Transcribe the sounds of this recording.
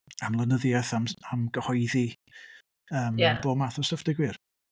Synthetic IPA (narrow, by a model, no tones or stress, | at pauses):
amlˠənəðjaθamamɡəhɔɨði | əːmb̥oːmaθɔsəfd̥ɪɡwir